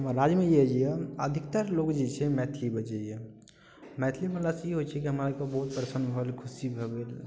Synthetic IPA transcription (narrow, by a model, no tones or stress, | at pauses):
mɾad͡ʒmeɛd͡ʒijeəd̪ʱikt̪əɾlokd͡ʒet͡ʃʰɛmɛt̪ʰlibəd͡ʒeije | mɛt̪ʰlibəlasiɦot͡ʃʰɛkiɦəmɾakebəɦut̪̚pɾəsənbʱəbelkʰusibʱəbel